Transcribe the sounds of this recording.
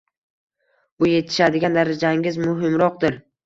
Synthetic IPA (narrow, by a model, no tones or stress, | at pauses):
bʊje̞t̪ʰɪ̥ʃad̪ɪɡʲand̪aɾad͡ʒaŋʲɪzmʊɦɪmɾɒq̚d̪ɪɾ